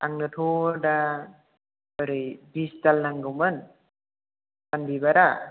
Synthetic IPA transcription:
aŋnɯtʰoɾda | əɾɯjbistalnaŋɡɯwmɯn | tanbibaɾa

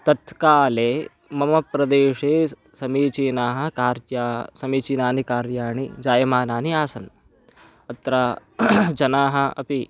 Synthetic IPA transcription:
t̪ɐt̪kaːleː | mɐmɐpɾɐd̪eːʃeː | sɐmiːt͡ʃiːnaːɦɐ̆kaːɾjaːsɐmiːt͡ʃiːnaːnikaːɾjaːɳid͡ʒaːjɐmaːnaːniaːsɐn | ɐt̪ɾaːd͡ʒɐnaːɦɐ̆ɐ̰pi

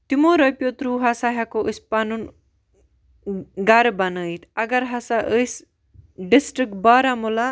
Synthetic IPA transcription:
t̪imoːɾɐpʲjot̪ɾuːɦasaɦakoʔəsʲpanun | ɡaɾbɐnəit̪ʰɐɡɐɾɦɐsaʔəs | ɖisʈɾik̚ʈ̚baːɾamula

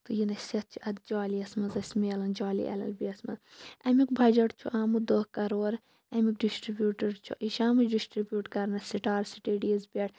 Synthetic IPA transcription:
t̪ujinɐsɐt̪̚t͡ʃʰiɐt̪̚d͡ʒaːliɐsmɐnzɐsmeːlɐnd͡ʒaːlḭʔɐ̰lɐ̰lbiɐsmɐz | ɐmikbʱɐd͡ʒɐʈt͡ʃʰuʔaːmud̪oːkɐɾoːɾ | ɐmik̚ɖisʈɾibʲjuːʈɐɾt͡ʃʰṵʔiʃaːmut͡ʃɖisʈɾibʲjuːʈkɐɾnɐsiʈaːɾsiʈiɖiɐzbʲeʈ̚ʰ

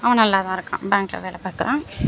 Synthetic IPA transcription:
ɐʋɐ̃nɐlːaːt̪ãːɪɾɯkːã̰ːbaːŋkʈlɐ̰ʋeːɭɛpaːɾkɪɾãː

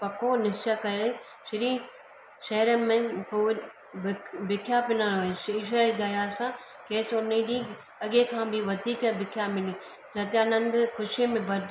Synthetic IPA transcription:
pɐkʰonɪst͡ʃakɐɾe | ʃɪɾiː | ʃɐɦɾəmẽpoː | bbɪkʰjapɪnaːnoẽʃiʃ̬ɐɾid̪ajaːsã | keːsʊnĩɗĩː | ɐɡekʰãːbʱɪʋɐd̪ʱiːkbɪkʰjamɪni | sɐt̪ijaːnɐ̃nd̪xʊʃimẽbɐd̪

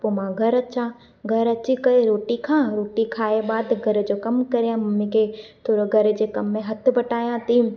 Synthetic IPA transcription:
pomãːɡʱɐɾɐtːʃʰa | ɡʱɐɾɐtːt͡ʃʰikɐeɾoːʈikʰãːɾoːʈikʰaːebaːd̪ɡʱɐɾd͡ʒokɐmkɐɾeãmɐmĩket̪ʰoɾoɡʱɐɾd͡ʒekɐmːẽɦɐt̪ʰbɐʈaːjãt̪im

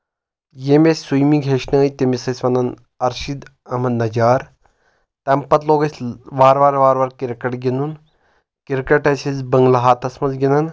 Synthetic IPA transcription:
jemesʲsujmiɡʱeʃnɐːjt̪emisɐsʲʋɐnɐn | ɐɾʃid̪ | ɐmɐd̪nɐd͡ʒaːɾ | t̪ɐmpɐt̪loːɡɐsʲʋaːɾʋaːɾʋaːɾʋaːɾkiɾkɐʈɡʲinun | kiɾkɐʈɐsʲizbɐŋɡlɐɦaːt̪ɐsmɐzɡʲinɐn

